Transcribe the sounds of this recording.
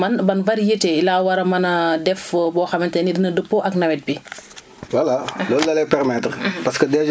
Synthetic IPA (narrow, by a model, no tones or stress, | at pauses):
mɐnbɐnvɐɾjetɛilaːwɐɾɐmɐnɐdɛfbɔːxɐmɐntɛnidinɐdəpːoʔɐknɐwɛt̚bi | wɐlalɔlːɐlɛpɛɾmɛtɾpɐskədɛ